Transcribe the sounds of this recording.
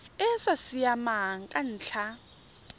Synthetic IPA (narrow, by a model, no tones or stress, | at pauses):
ɛsasijamaɦaŋ̩kʼan̩ːɬʰa